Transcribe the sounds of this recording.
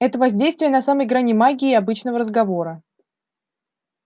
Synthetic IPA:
ɛt̪əvɐzʲdʲejst̪vʲɪjənɐsaməjɡɾanʲɪmaɡʲɪːɐbɨt͡ɕnəvəɾəzɡɐvo̞ɾə

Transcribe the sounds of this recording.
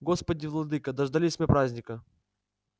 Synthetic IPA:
ɡospədʲɪvlˠɐd̪ɨkəd̪ɐʐd̪ɐlʲisʲmʲepɾazʲnʲɪkə

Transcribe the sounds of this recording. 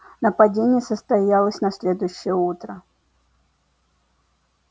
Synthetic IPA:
nəpɐdʲenʲɪjəsəst̪ɐjalˠəsʲnɐsʲlʲe̞d̪ʊjʊɕːɪjəut̪ɾə

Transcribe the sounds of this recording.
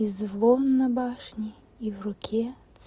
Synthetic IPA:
izʋˠɔnːɐbɑʃnʲi | iwrɔkʲʰɛ | t̪s

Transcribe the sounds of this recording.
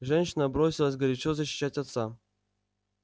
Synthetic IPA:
ʐɛnʲɕɪnəbɾosʲɪlˠəsʲɡəɾʲɪt͡ɕozəɕːɪ̥ɕːatʲɐt̪sa

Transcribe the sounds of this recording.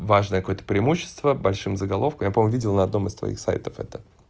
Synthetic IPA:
vaʐnəjəkɐko̞jət̪ə̥pɾʲɪɪmuɕːɪ̥st̪vəbɐlʲʂɨmzəɡɐlˠo̞fkəmjapɐmomʊvʲidʲɪlˠnɐd̪no̞mɨst̪vɐ̰ḭxsa̰jt̪əfɛ̰t̪ə

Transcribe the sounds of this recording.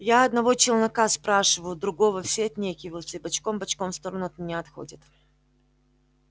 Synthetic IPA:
jaɐd̪nɐvo̞t͡ɕɪlˠnɐkaspɾaʂɨvəjʊd̪ɾʊɡo̞vəfsʲeɐt̪ʲnʲekʲɪvəjɪt̪sʲəɪibɐt͡ɕkombɐt͡ɕkomfst̪o̞ɾənʊɐt̪mʲɪnʲaɐt̪xo̞̰dʲɪt̪

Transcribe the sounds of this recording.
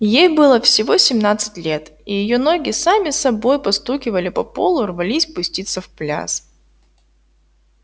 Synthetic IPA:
jejbɨlˠəfsʲɪvo̞sʲɪmnat̪sɨ̥tʲlʲe̞t̪ijɪjo̞no̞ɡʲɪsamʲɪsɐbo̞jpɐst̪ukʲɪvəlʲɪpɐpo̞lˠʊrvɐlʲisʲpʊsʲtʲit̪səfplʲa̰s

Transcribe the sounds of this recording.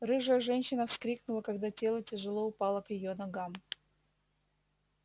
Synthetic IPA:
rɨʐəʐɛnʲɕːɪnəfskɾʲiknʊlˠəkɐɡd̪atʲe̞lˠətʲɪʐɨlˠoʊpalˠəkjɪjonɐɡam

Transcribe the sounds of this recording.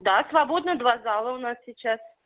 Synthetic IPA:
d̪asvɐbod̪nəd̪vazalˠəʊnassʲɪt͡ɕas

